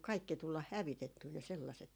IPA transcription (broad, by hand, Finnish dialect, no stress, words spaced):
kɑikːi tulːɑh hæʋitetːyː ne selːɑset